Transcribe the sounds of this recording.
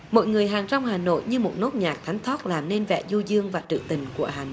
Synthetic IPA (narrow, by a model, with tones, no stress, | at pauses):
mo̰˧˨jŋɨ˨˩əjɦaː˨˩ŋt͡ɕa˧wŋ͡mhaː˨˩no̰˧˨jɲɨ˧mo˨˩t̚no˦˥t̚ɲaː˨˩k̚t̪ʰa˨˦ŋ̟t̪ʰɔ˦˥t̚laː˨˩mne˧nvɛ̰˧˨zu˧zɨ˧əŋvaː˨˩t͡ɕɨ̰˧˨t̪ï˨˩ŋ̟ku˧˩əhaː˨˩no̰˧˨